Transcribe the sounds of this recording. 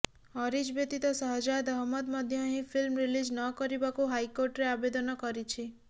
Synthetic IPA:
ɔɾid͡ʒbet̪it̪ɔsɔɦɔd͡ʒad̪ɔɦɔmɔd̪mɔd̪ʱjɔɦĩpʰilmɾilid͡ʒnɔkɔɾibakuɦajkoɾʈɾeabed̪ɔnɔkɔɾit͡ʃʰi

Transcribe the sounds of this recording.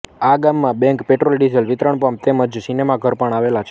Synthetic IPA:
aɡamːãbɛ̃ŋkpeʈɾolɖizəlʋit̪ɾəɳpam̚t̪eməd͡ʒsinemaɡʱəɾpəɳ̃aʋelat͡ʃʰ

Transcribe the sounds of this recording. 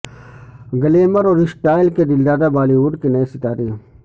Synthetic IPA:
ɡɐleːmɐɾoːɾɪsʈaːɪlkeɖɪld̪aːd̪abaːliuːɖkenɐesɪt̪aːɾiː

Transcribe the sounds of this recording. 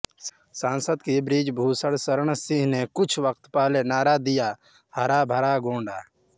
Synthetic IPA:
sãːnsəd̪kibɾiːd͡ʒbʱuːsəɽsəɾəɳ̃sɪ̃ɦnekʊt͡ʃʰʋək̚t̪paːlenaːɾaːd̪ɪjaː | həɾaːbʱəɾaːɡõːɳɖaː

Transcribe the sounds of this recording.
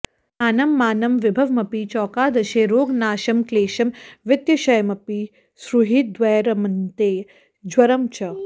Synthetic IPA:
aːnɐmːaːnɐmʋɪbʱɐʋmɐpit͡ʃɔːkaːd̪ɐʃeːɾoːɡnaːʃɐmkleːʃɐmʋɪt̪jɐʃɐjmɐpi | sɾuɦit̪̚d̪ʋɐjɾɐmɐnt̪eː | d͡ʒwɐɾɐmt͡ʃɐ

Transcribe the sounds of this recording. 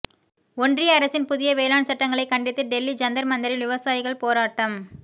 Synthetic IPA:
ɔndrɪjɐɐɾɐsɪnpʊðɪjɐʋeːlaːɳsɐʈːɐŋɡɐɭɐɪkːɐɳɖɪt̪ːɯɖɛlːid͡ʒɐnd̪ɐɾmɐnd̪ɐɾɪlʋɪʋɐsaːjɪɣɐɭpoːɾaːʈːɐm

